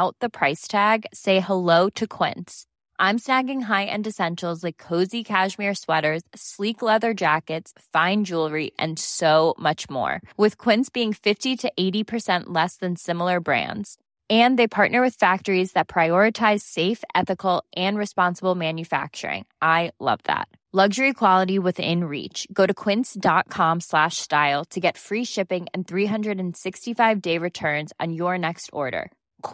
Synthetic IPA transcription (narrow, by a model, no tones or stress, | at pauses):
ʊt̪̚ðɨpʰɹ̥aɪstʰæɡseɪhəloʊɾɨkʰw̥ɪ̰̃nts | ʔãɪ̃msnæɡɪ̃ŋɦaɪʔɨ̰̃ndɨsɛ̃nʃl̩ˠzlaɪkʰːoʊzikʰæʃmɪɹswɛɾə˞z̥sliklɛðə˞d͡ʒækɨtsfãɪ̃nd͡ʒulˠɹiʔɨ̰̃nsoʊmʌt͡ʃmɔ̰ɹwɨð̥kʰw̥ɪ̃ntsb̥iɪ̃ŋfɪftiɾɨʔeɪɾipʰə˞sɛ̃nʔlɛsðɨ̃nsɪ̃ml̩ˠə˞bɹæ̰̃ndz̥ | ɨ̃nðeɪpʰɑɹʔⁿnə˞wɨð̥fæk̚tə˞izðɨt̚pʰɹ̥aɪɔɹɨtʰaɪz̥seɪfʔɛθɨkl̩ˠʔɨ̃nɹɨspɑ̃nsəbl̩ˠmæ̃njɨfæ̰k̚t͡ʃə̰˞ɪ̰̃ŋʔaɪlʌ̰vðæ̰t̚ | lʌɡʒə˞ikʰw̥ɑlˠəɾiwɨðɪ̰̃nɹḭt͡ʃɡ̥oʊɾɨkʰw̥ɪ̃ntsd̥ɑt̚kʰɑ̃mslæʃstaɪlˠtʰɨɡɛtfɹiʃɪpɪ̃ŋɨ̃nθɹiɦʌ̃ndɹɨɾɨ̃n̩sɪkstifaɪvdeɪɹɨtʰɜ̃˞nz̃n̩jə˞nɛkstʰɔ̰ɹɾə̰˞